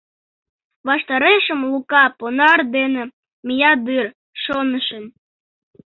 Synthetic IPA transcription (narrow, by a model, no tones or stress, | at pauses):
βɑʃt̪ɑɾeʃəmlukɑponɑrd̪enĕ | mijɑd̪ɨr | ʃonəʃə̆n